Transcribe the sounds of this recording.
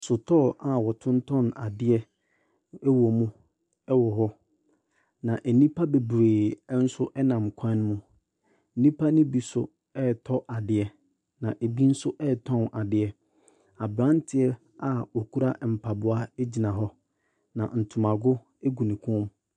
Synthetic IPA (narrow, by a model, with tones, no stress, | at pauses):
sʊ˨tʰɔ˦˨a˨wɔ˨tʰʊ̃˦n̩˦tʰɔ̃˦na˨dɪ˦ɛ˦ | ɛ˦wɔ˨mũ˦ | ɛ˦wɔ˨ɦɔ˦ | nã˨ʔe˨nĩ˦pʰa˦be˨bɾeː˨˦n̩˦sʊ˦ʔɛ˦nã˨mkʷʰã˦n˦mũ˦ | n̩˦nĩ˦pʰa˦nʊ̃˦bi˨sʊ˦ | ɛ˦˨tʰɔ˦ʔa˨dɪ˨ɛ˨ | nã˨ʔe˨bi˦n̩˦sʊ˦ʔɛ˦˨tʰɔ̃˦˨na˨dɪ˨ɛ˨ | a˨bɾã˦n˦tʰɪ˨ɛ˦ | a˨o˨ku˦ɾa˦m̩˨pʰa˨bʊ˨a˦e˦d͡ʑi˨nã˨ɦɔ˦ | nã̰˨n̩˨tʰʊ˨mã˨ɡʊ˦ | ɛ˦ɡu˨nĩ˨kʰʊ̃˦m